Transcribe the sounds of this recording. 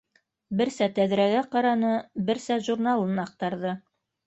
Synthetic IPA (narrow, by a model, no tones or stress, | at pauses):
bɘ̆ɾsæt̪æðɾæɡæqɑɾɑnɤbɘ̆ɾsæʒurnɑlˠɤnɑq̚t̪ɑɾðɤ